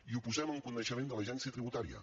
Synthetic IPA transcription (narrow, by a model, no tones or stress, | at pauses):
iupuzɛməŋkunəʃəmẽnd̪əlɐʒɛnsiət̪ɾiβut̪aɾiə̰